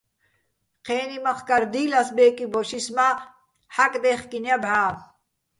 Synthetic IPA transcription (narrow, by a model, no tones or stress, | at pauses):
qʰeːnimɐχkɐɾd̪iːlɐsbeːkiboɕisma | hɐkd̪eːχkinjɐbʱaː